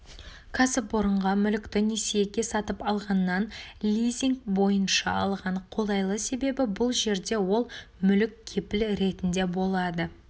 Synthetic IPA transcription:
kʰasɪpwoɾəɴʁɑmʏlɪkt̪ɪnesejekʲe̞sɑt̪əpɑlˠʁɑnːɑnlʲijzʲiŋk̚bo̞jənʃɑ̰ɑlˠʁɑɴqʰo̞lˠɑjlˠəse̞be̞bɪbʊlˠʒe̞ɾd̪e̞wo̞lˠmʏlɪkʲkʲʰːe̞pɪlɾe̞t̪ɪnd̪e̞bo̞lˠɑd̪ə

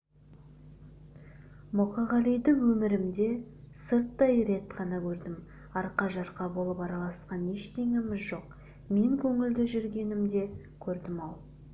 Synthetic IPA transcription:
mʊqɑʁɑlijd̪ɪŋwɵmɪɾɪmd̪e̞ | səɾt̪ːɑjɾe̞t̪qʰɑnɑkʲʰɵɾd̪ɪm | ɑɾqɑʒɑɾqɑbo̞lˠəpɑɾɑlˠɑsqɑne̞ʃt̪ʰe̞ŋɪmɪzʒo̞q | me̞ŋkʲʰɵŋɪld̪ɪʒʏɾɡʲe̞nɪmd̪e̞ | kʲʰɵɾd̪ɪmɑw̪ˠ

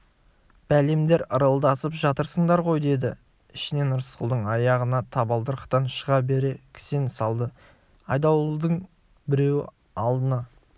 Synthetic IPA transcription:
b̥æle̞md̪e̞ɾəɾəlˠd̪ɑsəpʒɑt̪əɾsəɴd̪ɑɾʁo̞jd̪e̞d̪ɪ | ɪʃɪne̞nəɾəsqʊlˠd̪əɴɑjɑʁənɑt̪ʰɑbɑlˠd̪əɾqʰt̪ɑnʃəʁɑbe̞ɾe̞kʲʰɪ̥sensɑlˠd̪ə | ɑjd̪ɑwd̪əɴ | bɪɾe̞wɪ̰ | ɑlˠd̪ənɑ

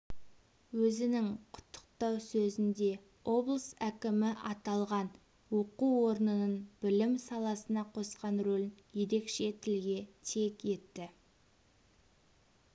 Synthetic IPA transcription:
wɵzɪnɪŋqʰʊ̥t̪ʰːə̥q̚t̪ɑwsɵzɪnd̪e̞ | o̞blˠəsækʲɪmɪʔɑt̪ɑlˠʁɑn | wo̞quwo̞ɾnənənbɪlɪmsɑlˠɑsənɑqʰo̞sqɑnɾɵlʲɪnje̞ɾe̞kʃe̞t̪ʰɪlɡʲe̞t̪ʰe̞kʲje̞t̪ːɪ

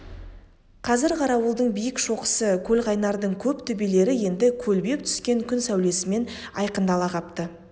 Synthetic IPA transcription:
qʰɑzɪɾqʰɑɾɑwəlˠd̪əɴbijɪkʃo̞qə̥səkʲʰɵlʁɑjnɑɾd̪əɴkʲʰɵpt̪ʰʏbe̞le̞ɾɪje̞nd̪ɪkʲʰɵlbe̞p̚t̪ʰʏ̥skʲe̞ŋkʲʰʏnsæwle̞sɪme̞nɑ̰jqənd̪ɑlˠɑʁɑpt̪ə

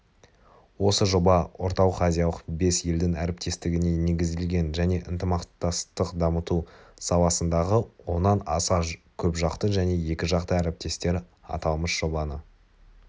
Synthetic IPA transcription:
wo̞səʒo̞bɑwo̞ɾt̪ɑwəχɑzʲijɑlˠəqbe̞sje̞ld̪ɪŋæɾɪp̚t̪e̞st̪ɪɡʲɪne̞ne̞ɡʲɪzd̪ɪlɡʲe̞nʒæne̞ʔənt̪əmɑqt̪ɑst̪əqd̪ɑmət̪usɑwˠɑsənd̪ɑʁəwo̞nːɑnɑsɑkʲʰɵpʒɑqt̪əʒæne̞je̞kʲɪʒɑqt̪əæɾɪp̚t̪e̞st̪e̞ɾ | ɑ̰t̪ɑlˠməsʒ̥o̞bɑnə

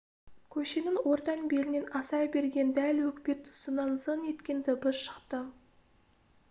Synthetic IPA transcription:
kʲʰɵʃe̞nɪŋwo̞ɾt̪ɑnbe̞ɾɪne̞nɑsɑjbe̞ɾɡʲe̞nd̪ælwɵkʲpe̞t̪ʰːʊ̥sənɑnsəne̞t̪kʲe̞nd̪ɪbʊsʃə̥qt̪ə

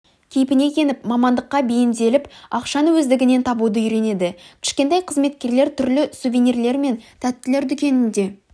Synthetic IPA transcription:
kʲʰejɪpɪne̞kʲʰe̞nɪpmɑmɑnd̪əqːɑbejɪnd̪e̞lɪpɑqʃɑnwɵzd̪ɪɡʲɪne̞nt̪ʰɑbud̪əiɾe̞ne̞d̪ɪkʲʰɪ̥ʃkʲe̞nt̪ɑjqʰəzme̞t̪̚kʲe̞ɾle̞ɾt̪ʰʏɾlɪsuvʲiniɾle̞ɾme̞nt̪ʰæt̪ːɪle̞ɾd̪ʏkʲe̞nɪnd̪e̞

